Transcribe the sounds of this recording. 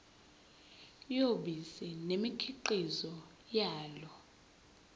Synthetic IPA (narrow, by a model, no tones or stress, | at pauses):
joɓisɛnemikʰiǃizɔ | jaːlɔ